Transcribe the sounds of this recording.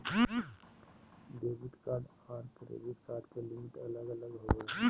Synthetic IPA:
d̪eːbɪt̪kaːɖ | aːɾpɾḛbit̪kaːɾɖkelɪmɪʈɐləɡələɡɦo

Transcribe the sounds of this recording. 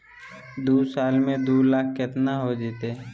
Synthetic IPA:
d̪uːsaːlmẽd̪uːlaːkʰket̪naɦod͡ʒit̪e

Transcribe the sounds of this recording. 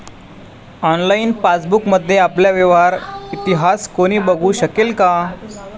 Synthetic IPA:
ɔnlainfasbukməd̪ʱːjeapljaʋeʋaɾit̪iɦaskoɽ̃iːbəɡʱuːɕəkelka

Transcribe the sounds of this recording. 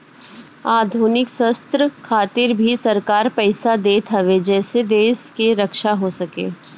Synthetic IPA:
aːd̪ʱuːnɪksɐst̪ɾəkʰaːt̪ɪɾbʱisɐɾkaːɾpɛːsad̪eːt̪ʰɐʋed͡ʒɛːsed̪eːskeɾɐkʃaɦosɐkḛː

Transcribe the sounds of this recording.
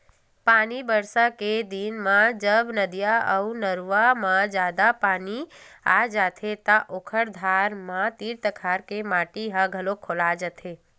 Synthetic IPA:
panibəɾsaked̪inmãd͡ʒəbnəd̪ijaəunəɾʋamãd͡ʒad̪apaniad͡ʒat̪ʰet̪ãʔokʰəɽd̪ʱaɾmãt̪iɾt̪əkʰaɾkemaʈiɦaɡʱəlokʰolad͡ʒət̪ʰe

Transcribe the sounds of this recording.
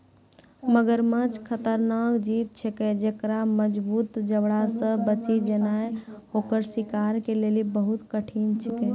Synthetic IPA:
məɡəɾmə̃t͡ʃkʰət̪əɾnakd͡ʒib̚t͡ʃʰɛkɛd͡ʒekɾaməd͡ʒbut̪d͡ʒəbɽasə̃bət͡ʃid͡ʒənaeɦokəɾsikaɾkelelibəɦut̪kəʈʰint͡ʃʰikɛ

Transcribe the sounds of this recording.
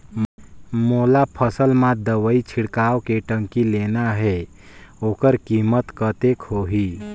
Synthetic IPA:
moːlapʰəsəlmãd̪əʋəit͡ʃʰɪɽkaːwkeʈə̃ŋkileːnaɦɛ | oːkəɾkiːmət̪kət̪ekɦoːɦi

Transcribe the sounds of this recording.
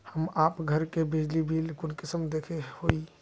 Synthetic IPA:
həmaːpɡʱəɾkebid͡ʒlibʱilkʊnkɪsəmd̪ekʰehoi

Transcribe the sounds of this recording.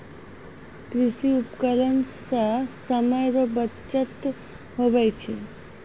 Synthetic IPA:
kɾɪsiupkələnsəsəməjɾobət͡ʃət̪ | ɦobəjt͡ʃʰi

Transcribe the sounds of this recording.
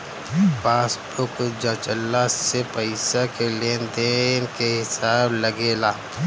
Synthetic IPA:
paːspokod͡ʒãːt͡ʃəlːasepəɪsakeleːnd̪enkeɦɪsaːbləɡeːlaː

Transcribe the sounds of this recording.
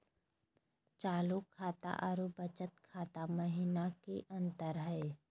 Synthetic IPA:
t͡ʃaːlukʰaːt̪a̰ʔaɾubɐt͡ʃət̪kʰaːt̪aməɦɪnakeʔɐ̃nt̪əɾɦɛː

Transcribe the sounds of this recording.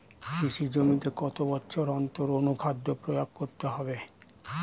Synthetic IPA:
kiʃid͡ʑomit̪ekɔt̪obɔtːɕʰoɾɔnt̪oɾonukʰad̪ːopɾojak̚koɾt̪eɦɔbe

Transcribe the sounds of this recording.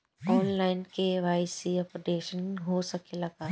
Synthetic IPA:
ɔːnlaːɪnkeʋaːɪsiɐpɖeːʃənɦosɐkelɐɡaː

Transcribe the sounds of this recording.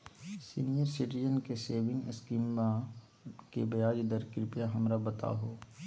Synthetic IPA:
sḭːnijəɾsɪʈɪd͡ʒənkeseːʋɪ̃ŋɡɪskima | kebɐjaːd͡ʒd̪əɾkɾɪpjaɦɐmɾabɐt̪a̰ɦoː

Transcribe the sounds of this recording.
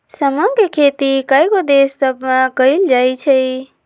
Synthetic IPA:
səməɡɾkʰet̪ikajɡod̪esːəbmakəjld͡ʒajt͡ʃʰəj

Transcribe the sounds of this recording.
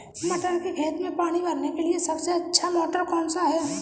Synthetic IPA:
mɐʈəɾkekʰeːt̪mẽpaːɽ̃ibʱɐɾnekeliesɐbseɐtːʃʰamɔːʈəɾkɔːnsaɦɛː

